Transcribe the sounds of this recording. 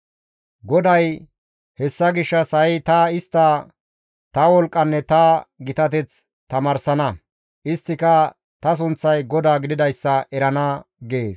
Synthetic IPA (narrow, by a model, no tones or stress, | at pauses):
ɡɔd̪ɐj | hɛsːɐɡɪʃːɐsɐjɪt̪ɐɪst̪ːɐ | t̪ɐwɔlkʼːɐnːɛt̪ɐɡɪt̪ɐt̪̬ɛt͡s | t̪ɐmaːɾsɐnɐ | ʔɪst̪ːɪkɐ | t̪ɐs̬ʊnt͡sːɐjɡɔd̪aːɡɪd̪ɪd̪ɐjsːɐʔɛɾɐnɐɡeːs